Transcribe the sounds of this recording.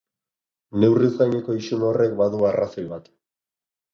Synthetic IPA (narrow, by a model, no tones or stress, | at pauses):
ne̞wrizɡajneko̞isuno̞re̞k̚baðuarasolβat̪